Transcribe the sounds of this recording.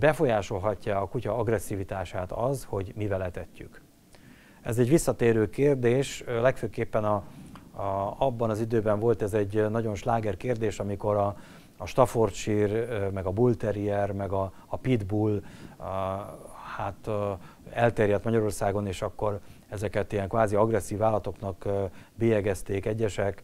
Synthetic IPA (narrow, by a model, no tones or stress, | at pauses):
bɛfo̞jaːʃo̞lɦɒcːaːkucɒɒɡrɛsːiːvit̪aːʃaːt̪ɒzho̞ɟmivɛlɛt̪ɛcːyk | ɛzɛɟʋisːɒt̪eːɾøːkeːrd̪eːʃlɛkføːkːeːpːɛnɒ | ɒbːɒnɒzid̪øːbɛɱvo̞lt̪ɛzɛɟːnɒɟo̞nʃlaːɡɛrkeːrd̪eːʃɒmiko̞ɾɒː | ʃt̪ɒfort̪ʃirmɛɡɒbult̪ɛɾiɛrmɛɡɒː | pid̪bulː | haːt̪ | ɛlt̪eːɾjɛt̪mɒɟɒɾo̞rsaːɡo̞neːʃɒkːo̞r | ɛzɛkɛt̪ijɛŋkʋaːziɒɡrɛsːiːvaːlɒt̪o̞knɒkbijɛɡɛst̪eːkɛɟːɛʃɛk